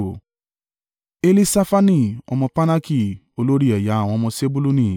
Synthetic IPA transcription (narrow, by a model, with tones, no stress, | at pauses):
e˦li˦sa˦fa˦nĩ˦˨ɔ̰˧mɔ̃˧pa˦na˦ki˦˨ | o˧lo˦ɾi˦ɛ˨ja˨˦a˨w̃ɔ̃˧ɔ˧mɔ̃˧se˦bu˦lu˦nĩ˨